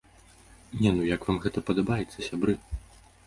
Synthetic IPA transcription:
nʲɛnujɐkvamɣɛt̪ɐpɐd̪ɐbajɛt̪sːɐsʲabɾɨ

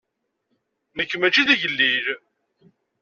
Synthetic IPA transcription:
nəkːəmæt͡ʃːiðiʝəlːiɾ

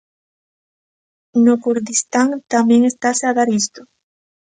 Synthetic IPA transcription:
nokuɾðist̪aŋt̪amjẽŋest̪aseaðaɾist̪o̥

